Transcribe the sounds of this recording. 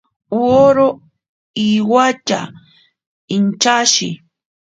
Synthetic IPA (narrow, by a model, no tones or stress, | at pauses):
woɾo | iwat͡ʃa̰ | ɪnt͡ʃaʃɪ